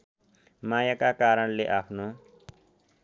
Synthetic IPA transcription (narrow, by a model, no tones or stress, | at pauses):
majakakaɾəɽleʔapʰno